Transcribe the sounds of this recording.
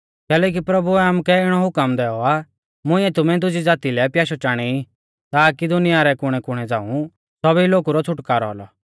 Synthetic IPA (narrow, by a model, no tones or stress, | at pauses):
kɛːlɛːk̬ipɾɐbuɛamukɛɪɽ̃ɔɦʊkəmd̪ɛːɔa | mʊ̃ɪ̃ɛt̪ʊmɛ̃d̪ʊd͡ʒid͡zaːt̪ilɛpjaːʃɔt͡ʃaːɽ̃ɛi | t̪aːkid̪ʊnɪjaɾɛkʊɽ̃ɛkʊɽ̃ɛd͡zaːũ | sɔbiloːkuɾɔt͡sʰʊʈkaːɾɔɔ̰lɔ̰